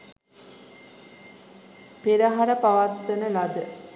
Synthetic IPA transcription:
peɾəɦaɾəpaʋat̪ːənəlad̪ə

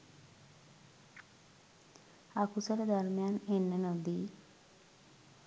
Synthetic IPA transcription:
akusɔɾed̪ɔɾmjanenːənod̪i

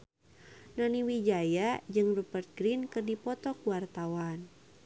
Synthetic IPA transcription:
naniwid͡ʒajad͡ʒɨŋrupərt̪̚ɡɾinkɨrdipɔt̪ɔkuwart̪awan

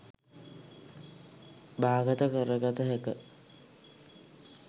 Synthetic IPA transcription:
baːɡət̪əkəɾəɡɔt̪əɦekə

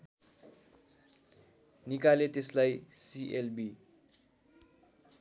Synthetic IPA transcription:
nikalet̪eslajsiʔelbi

